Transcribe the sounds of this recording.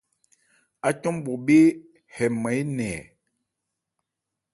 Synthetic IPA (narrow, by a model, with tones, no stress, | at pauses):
a˨t͡ʃɔ˦mbɔ˨be˦ | hɛ˨mə˨˦jnɛː˨